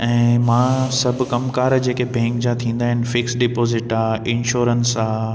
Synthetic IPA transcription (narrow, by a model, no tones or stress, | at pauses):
ɛ̃ːmãːsɐbʱʊkɐmkaːɾd͡ʑeːkebʱɛ̃ːŋkd͡ʑat̪ʰĩːn̆d̪aːɦɪnɪ̆fɪksɖɪpoːzɪʈaːɪ̃nʃoːɾənsaː